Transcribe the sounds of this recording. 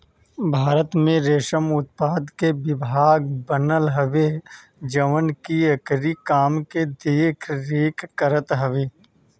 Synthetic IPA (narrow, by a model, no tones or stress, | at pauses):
bʱaːɾət̪mẽɾeːʃəmʊt̪̚paːd̪kebɪbʱaːɡ̚bənəlɦəʋe | d͡ʒəʋənkiɐkɾikaːmked̪eːkʰɾeːkʰːəɾət̪ɦəʋeː